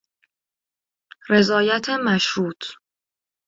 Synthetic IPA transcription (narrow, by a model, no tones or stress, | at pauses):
ɾe̞zɒːjæt̪ʰemæʃhuːt̪ʰ